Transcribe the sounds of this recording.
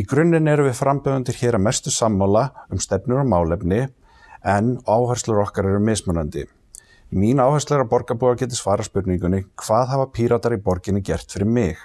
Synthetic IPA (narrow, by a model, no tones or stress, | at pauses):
ikɾʏnːɪnɛɾʏvɪðfɾampɛðant̪ɪɾ̥çɛːɾamɛst̪ʏsamːawlaʏmst̪ɛpnʏɾamaːwlɛpnɪ | ɛnaːwhœrst̪lʏɾɔhkaɾɛɾʏmːɪːsmœnant̪ɪ̰ | minaːwhœst̪lɛɾapɔɾkapuːɣacɛːt̪ɪsvaːɾaspʏɾt̪niŋkʏnːɪkʰv̥aːðɦavapʰiːɾat̪aɾipɔɾcɪnːɪcɛr̥t̪fɪɾɪɾmɪx